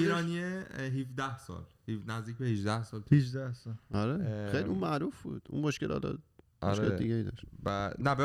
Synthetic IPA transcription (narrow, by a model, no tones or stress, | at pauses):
iːɾɒːnieɦifd̪æhsɒ̰ːlhinæzd̪iːc̚ʲbehid͡ʒd̪æhsɒːlʰhid͡ʒd̪æhsɒlɒɾexejliũnmæɾufbṵːd̪̥ṵnmoʃkʲelʔɒ̰ːlɒ̰ːd | o̰ɾʃeld̪iɡeid̪ɒ̰ʃt̪bænæbe